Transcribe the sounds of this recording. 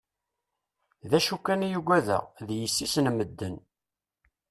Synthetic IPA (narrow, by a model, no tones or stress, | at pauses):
ðæʃukːænijuɡʷæðæ̰ðjəsːisnməd̪ːən